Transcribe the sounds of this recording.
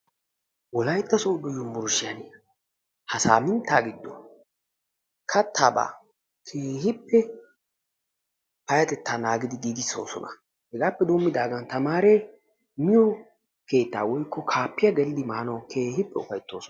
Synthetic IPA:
wɔlɐjt̪ːɐsoːdɔjʊmbʊɾʊʃɪjɐn | hɐsa̰ːmɪnt̪ːaːɡɪd̪ːɔ̰ | kʰɐt̪ʰːaːba̰ː | kʰeːhɪpːɛ | pɐjɐt̪ɛt̪ːaːnaːɡɪd̪ɪɡ̪iːd̪ɪsːo̞̰ːsɔ̰nʔɐ̥̰ | hɛɡaːpːɛd̪oːmːɪd̪aːɡɐnt̪ɐmaːɾe | mɪjɔ | ke̞ːt̪ːa̰ːwɔjkʰːɔkʰaːpːɪjɐɡɛlɪd̪ɪmaːnɐwkʰe̞ːhɪpːɛʊfɐjt̪ːo̞ːsɔ

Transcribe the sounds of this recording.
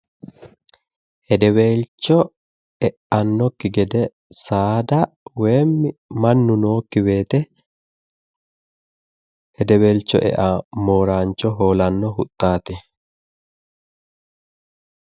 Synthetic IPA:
hɛd̪ɛwe̞ːlt͡ʃːɔ | ɛʔɐnːɔkːɪɡɛd̪ɛ | saːd̪ɐ | weːmːɪmɐnːʊnoːkːɪwe̞ːt̪ɛ | hhɛd̪ɛwe̞ːlt͡ʃːɔ̰ʔɛ̰ʔamoːɾaːnt͡ʃːɔɦoːlɐnːɔɦʊt̪ʼːaːt̪ɛ

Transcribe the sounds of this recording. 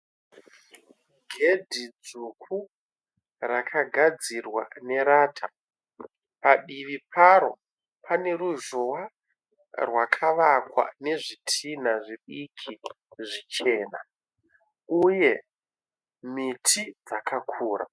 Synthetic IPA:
ɡʱe̞dʱid͡zukʰu | rakʰaɡʱad͡zirwa̰ne̞ɾaːtʰa | paɗiʋipʰaɾo̞ | pʰane̞ruʒowa | rwakʰaʋakwa̰ne̞ʐitʰin̤aʐiɓikʰi | ʐit͡ʃe̞ːna̰ | uje̞ | mitʰid͡zakʰakʰuːra̰

